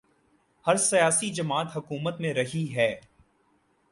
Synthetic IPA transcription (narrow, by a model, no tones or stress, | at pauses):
hɐɾsɐjaːsid͡ʒɐmaːt̪ɦɐkuːmət̪mẽɾɐɦiɦɛː